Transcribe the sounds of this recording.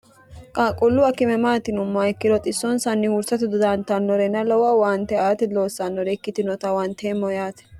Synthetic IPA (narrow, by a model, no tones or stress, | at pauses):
kʼaːkʼʊlːʊwɐkɪmɛmaːt̪ɪnʊmːɐjkːɪdɔt̪ʼɪsːɔnsɐnːɪhʊɾsɐt̪ɪd̪ʊd̪ant̪ɐnːɔɾɛnːɐlɔwɐwaːnt̪ːɛaːt̪ɛlo̞ːsːɐnːɔɾɛkːɪt̪ɪnɔt̪ɐwant̪eːmːɔjaːt̪ɛ̥